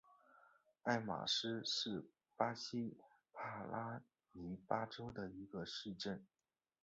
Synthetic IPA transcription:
a˥˩ɪma̰˨˩ʂɻ̩˥ʂɻ̩˥˩ | pa˥ɕi˥ | pʰa˥˩lʔa˥ | ni˧˥pa˥ʈ͡ʂo˥ʊd̪ə˨i˧˥ɡə˧ʂɻ̩˥˧ʈ͡ʂə˥˩n

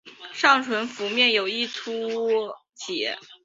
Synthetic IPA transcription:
ʂɑ˥˩ŋʈ͡ʂʰwə˧˥nfu˧˥mjɛ˥˩njo˨˩ʊi˥˩t̪ʰu˥ | t͡ɕʰi˨˩jɛ̰˥˩

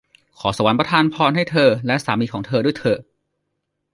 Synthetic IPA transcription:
kʰɔː˩˦sa˧wa˨˦npɾa˧t̪ʰaː˧npʰɔː˧nɦa˥˩jt̪ʰɤː˧lɛ˦˥ʔsaː˩˦miː˧kɔː˩˦ŋt̪ʰɤː˧du˥˩˨jt̪ʰɤː˧

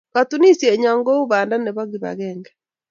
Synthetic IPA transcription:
katu˦ni˦sjɛ˨ɲa˨ŋɡo˦u˦βaː˨nda˦ne˨βaɣiβa̰ɣɛːŋɡɛ

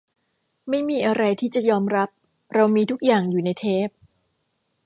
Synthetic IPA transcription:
ma˥˩jmiː˧ʔa˧ɾa˧jt̪ʰiː˥˩t͡ɕa˨˩jɔː˧mɾa˦˥p̚ | ɾa˧wmiː˧t̪ʰu˦˥k̚jaː˨˩ŋjuː˨˩na˧jt̪ʰeː˥˩p̚

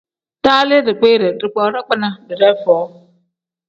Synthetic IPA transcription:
taː˦lɪ˦dɪ˨k͡pe˦ɾɪ˨dɪ˨k͡pɔ˨˦ɾɪ˦k͡pɪ˦na˦dɪ˨ɾɛ˦fɔː˨˦

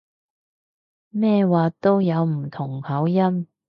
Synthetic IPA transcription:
mɛː˥˧waː˨t̪o˥wjɐ˨˧wm̩˨˩t̪ʰʊ˨˩ŋhɐ˨˥wjɐ˥m

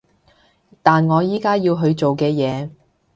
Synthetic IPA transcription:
t̪aː˨nŋɔː˨˧jiː˥kaː˥jiː˧wɦɵ˧ɥt͡so˨wkɛː˧jɛː˨˧

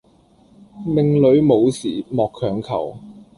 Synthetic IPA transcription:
lɪ˨ŋlɵ˨˧˥ɥmo˨˧wsiː˨˩mɔː˨kʰːœː˨˧ŋkʰɐ˨˩w

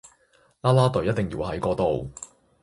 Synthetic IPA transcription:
laː˥laː˥t̪ɵ˨ɥjɐ˥t̚t̪e˨ŋjḭː˨˧whɐ˨˥jkɔː˧t̪o˨w

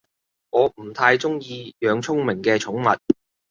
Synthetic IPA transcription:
ŋɔː˨˧m̩˨˩t̪ʰaː˧jt͡sʊ˥ŋjiː˧jœː˨˧ŋt͡sʰʊ˥ŋmɪ˨˩ŋkɛː˧t͡ʃʰʊ˨˥ŋmɐ˨t̚

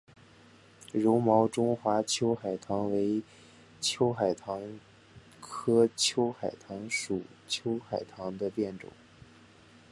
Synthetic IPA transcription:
ɻo˧˥ʊmɑ˧˥ʊʈ͡ʂʊ˥ŋxwa˧˥t͡ɕʰjo˥ʊxa˨˩ɪt̪ʰɑ˧˥ŋwe˧˥ɪ | t͡ɕʰjo˥ʊxa˨˩ɪt̪ʰɑ˧˥ŋ | kʰɤ˥t͡ɕʰjo˥ʊxa˨˩ɪt̪ʰɑ˧˥ŋʂu˨˩t͡ɕʰjo˥ʊxa˨˩ɪt̪ʰɑ˧˥ŋd̪ə˧pjɛ˥˩nʈ͡ʂʊ̰˨˩˦ŋ

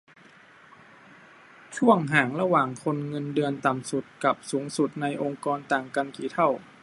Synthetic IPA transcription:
t̪ʰu˥˩əŋɦaː˨˩ŋɾa˧waː˨˩ŋkʰo˧nŋɤ˧ndɯ˧ənt̪a˨˩msu˨˩t̪̚ka˨˩p̚suː˩˦ŋsu˨˩t̪̚na˧jʔo˧ŋkɔː˧nt̪aː˨˩ŋka˧nkiː˨˦t̪ʰa˥˩w

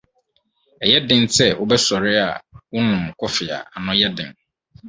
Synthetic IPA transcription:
ɛ˨jɛ˦dɪ̃˦nsɛ˦wʊ˦bɛ˦sɔ˨ɾɪ˦a̰˨wʊ˦nʊ̃˨mkʰɔ˦fɪ˨a̰˨a˨nʊ̃˦jɛ˦dɪ̰̃˨ŋ

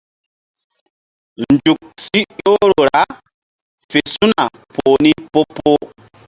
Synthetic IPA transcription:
nd͡ʒu˨k̚si˦jo˦ɾo˨ɾa˦ | fe˨su˦na˨ | pʰo˨ni˦po˦po˦

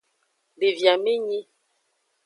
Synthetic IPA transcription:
bi˨vja˨mi˦ɲi˦

